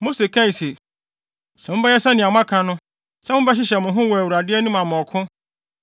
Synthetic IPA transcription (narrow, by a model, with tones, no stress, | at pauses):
mo˦se˨kʰã˦i˨se˨ | sɛ̃˨wʊ̃˦bɛ˦jɛ˦sɛ˦nɪ̃˨a˨m˦ã˦kʰã˨nʊ̃˦ | sɛ˦ʊ̃˦bɛ˦ɕ̬ɪ˦ɕɛ˨mʊ̃˨ɦʊ̃˦wɔ˨æ˨wɾa˨dɪ˦ɛ˦nũ˦mã˨m˨ɔ˨kʰʊ̃˦